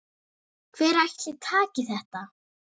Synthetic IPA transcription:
kʰvɛːɾajçt̪lɪt̪ʰaːcɪθɛht̪a

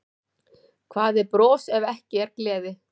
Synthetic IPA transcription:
kʰvaːðɪɾpɾɔːsɛvɛhcɪɛɾklɛːðɪ

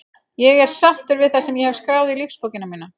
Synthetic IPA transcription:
jɛɣɛɾ̥saxt̪ʏɾvɪðθasɛmjɛhɛv̥skɾaːwðɪilifspowcɪnamiːna

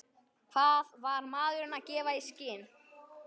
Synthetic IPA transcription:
kʰvaðvaɾmaːðʏɾʏnacɛːvaiscɪːn

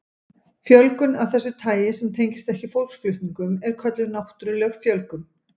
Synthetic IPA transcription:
fjœlkʏnavθɛsːʏt̪ʰaːjɪsɛmt̪ʰejɲcɪst̪ɛhcɪfowl̥ksflʏht̪niŋkʏmɛɾ̥kʰœt̪lʏnawht̪ɾʏlɛɣfjœlkʏm

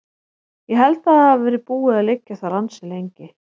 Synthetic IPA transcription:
jɛɦɛlt̪aðaavɛːɾɪpuːɪðaðlɪcːaθaɾansɪlejɲcɪ

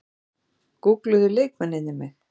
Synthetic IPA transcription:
kuklʏðʏleːjkmɛnːɪnːɪmɪx

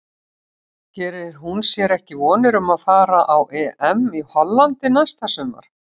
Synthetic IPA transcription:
cɛːɾɪɾ̥ɦunsjɛɾɛhcɪvɔːnɪɾʏmaðfaːɾaʔawʔɛːʔɛmihɔlːant̪ɪnajst̪asœːma̰ɾ̥

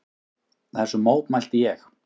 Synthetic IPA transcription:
θaɛsʏmoːwpmajl̥t̪ɪjɛx

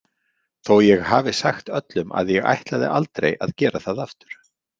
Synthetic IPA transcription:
θowjɛɣhaːvɪsaxt̪œt̪lʏmʔa̰ðjɛɣa̰jht̪laðɪ̰ʔalt̪ɾḛjaðcɛːɾaθaðaft̪ʏ̥ɾ̥

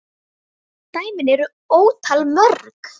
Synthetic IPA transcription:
t̪aːjmɪnɛɾʏ | oːwt̪ʰalmœɾk

